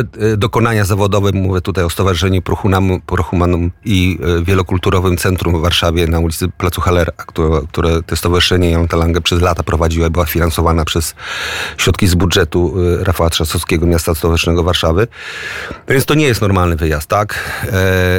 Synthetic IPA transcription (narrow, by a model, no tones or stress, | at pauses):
d̪ɔkɔnaɲazavɔd̪ɔvɛmːuvʲjɛt̪ut̪ajɔst̪ɔvaʐɨʂɛɲupɾɔxuampɾɔxumanɔmivʲjɛlɔkult̪uɾɔvɘmt̪sɛnt̪ɾumvːaɾʂavʲjɛnaulʲit̪sɘplat̪suxalɛɾakt̪uɾɔk̚t̪uɾɛt̪ɛst̪ɔvaʐɨʂɛɲɛjɔnt̪alaŋɡapʂɛzlat̪apɾɔvad͡ʑiwaibɘwafʲinansɔvanapʂɛsɕɾɔt̪kʲizbudʐɛt̪uɾʔafawat̪ʂasɔskʲɛɡɔmʲjast̪ast̪ɔvaʐɨʂnɛɡɔvaɾʂavɘ | nɔvʲjɛnt̪ɔɲɛjɛst̪nɔɾmalnɘvɘjast̪ːak